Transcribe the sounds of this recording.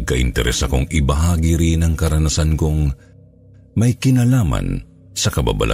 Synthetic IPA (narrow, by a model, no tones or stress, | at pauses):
kɐʔɪ̰nt̪ɛɾʔɛ̰sɐkoŋʔɪbɐɦaːɡiɾɪnɐŋkɐɾɐnɐsanko̞ŋ | mɐjkɪnalaːmɐ̰n | sɐkɐba̰bɐ̰lʔa̰